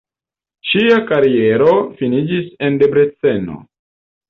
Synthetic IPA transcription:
ʃiakaɾie̞ɾo̞finid͡ʒise̞nde̞bɾet͡se̞no̰

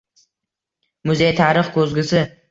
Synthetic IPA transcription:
mʊzejt̪ʰaɾɨχkʰɵzɡʲɪsɪ

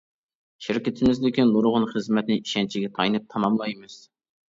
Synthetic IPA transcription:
ʃɪɾkʲɪt̪ʰɪmɪzd̪ɪkʲinːoɾʁʊnχəzmɛt̪nɪiʃɛnt͡ʃʰiɡʲɛt̪ʰɑjnɨp̚t̪ʰɑmɑmlˠɑjmɨz̥

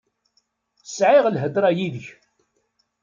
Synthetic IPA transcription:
sʕiʁlɦəd̪ɾˤɑjiðəç

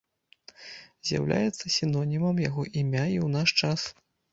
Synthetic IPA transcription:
zʲja̰wlʲʔa̰jɛt̪sːɐsʲinɔnʲimɐmjaɣɔʔimʲaiwnaʂt͡ʂas

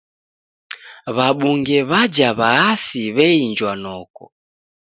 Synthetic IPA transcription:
βaɓuŋɡɛβad͡ʒaβaasiβɛind͡ʒwanɔkɔ̰

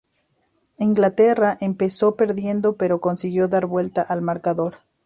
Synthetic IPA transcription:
iŋɡlat̪eraʔempe̞so̞pe̞ɾðje̞nd̪o̞pe̞ɾoko̞nsiɣjo̞ðaɾβwe̞lt̪aʔalmaɾkaðo̞ɾ

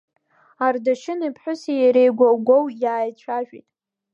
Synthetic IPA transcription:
ardaʃɪnipʰħʷᶣʊsijaɾejɡʷaɡʷowjaːjt͡ɕʷʰaʒᶣḭtʼ

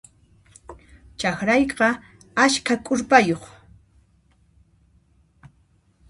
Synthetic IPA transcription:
t͡ʃaxɾɑjqɑ | aʃkʰakʼʊɾpajoχ

